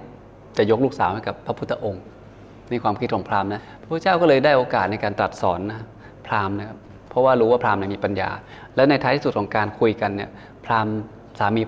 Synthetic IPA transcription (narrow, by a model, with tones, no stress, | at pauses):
t͡ɕa˨˩jo˦˥k̚luː˥˩k̚saː˩˦wha˥˩jka˨˩pʰːa˦˥pʰu˦˥t̪ʰːa˧ʔo˧ŋ | na˧˥jkʰwaː˧mkʰi˦˥kʰɔ˩˦pʰlaː˧mna˦˥a˥p̚ʰt͡ɕaː˥˩wkɔː˥˩lɤː˧jdaː˥˩jʔoː˧kaː˨˩t̪̚na˧jkaː˧nt̪ɾa˨˩t̪̚sɔː˩˦nːa˦˥ | pʰlaː˧mna˦˥kʰa˦˥pʰː | ɔ˦˥waː˥˩ɾuː˦˥waː˥˩pʰlaː˧mni˥˩miː˧pa˧nja̰ː˧ | lɛː˦˥wna˧j̪ʰa˦˥t̪ʰiː˥su˨˩t̪kʰɔː˩˦ŋkaː˧nkʰu˧jka˧nːi˥˩ɐ | pʰlaː˧m | saː˩˦miː˧